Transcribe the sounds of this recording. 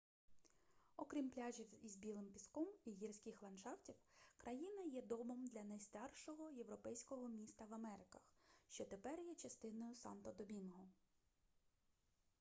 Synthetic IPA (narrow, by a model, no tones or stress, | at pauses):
ɔkɾʲimplʲɑʒʲiwizbʲilˠɪmpʲiskɔmiɦirsʲkʲɪxlˠɐnʃɑwtʲiwkɾʔɐjinɐjɛd̪ɔbɔmd̪lʲɐnɐjst̪ɑrʃɔɦɔje̞ʋɾɔpɛjsʲkɔɦɔmʲist̪ɐʋɐmɛɾɪkɐxʃt͡ʃɔt̪epɛrjɛt͡ʃɐst̪ɪnɔjʊsɑ̰nt̪ɔd̪ɔbʲinɦɔ